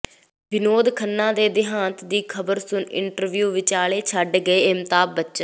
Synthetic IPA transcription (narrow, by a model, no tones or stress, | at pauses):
bɪnoːd̪kʰənːãːd̪eːd̪ɪɦãːnt̪d̪iːkʰəbəɾsʊnɪ̰ɳʈəɾʋjuːʋɪt͡ʃaːɭeːt͡ʃʰəɖɡəeːɪmt̪aːb̚bətːʃən